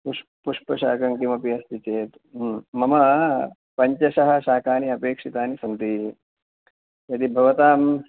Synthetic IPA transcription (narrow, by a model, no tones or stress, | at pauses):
puʂ | puʂpɐʃa̰ːkɐŋkimɐpiɐst̪it͡ʃeːt̪ | mɐmɐ | pɐɲt͡ʃɐʃɐɦɐ̆ʃaːkaːniɐpeːkʂit̪aːnisɐnt̪i | jɐd̪ibʱɐʋɐt̪aːm